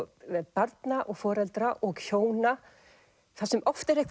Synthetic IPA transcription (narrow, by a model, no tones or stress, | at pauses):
ɛpaɾt̪naʔɔɣfɔːɾɛlt̪ɾaʔɔɣcʰoːwna | θasɛmʔɔft̪ɪɾehkv